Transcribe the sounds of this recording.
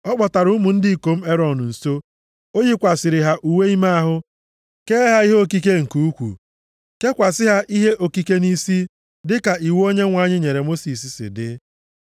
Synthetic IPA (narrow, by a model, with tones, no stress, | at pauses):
ɔ˦k͡pɔ˨ta˨ɾʊ˦mu˨n̩˦dɪ˦i˨ko˨m̩˦e˦ɾɔ˨n˨n̩˨so˦ | o˦ji˦kʷa˨sɪ˨ɾɪ˨ɦa˦ʔu˨we˦i˦ma˦a˦ɦʊ˦ | keː˦ɦa˦i˦ɦe˦o˦ki˦ke˦ŋ̩˨ku˨u˦kʷṵ˨ | ke˦kʷa˨sɪ˦ɦa˦ʔi˦ɦe˦ʔo˨ki˦ke˦ni˦si˦ | dɪ˦ka˨ʔi˨wo˦ɲe˦ŋʷa˨˦ɲɪ˦ɲe˨ɾe˨mo˦si˨s̬i˨sɪ̰˨dɪ̰˦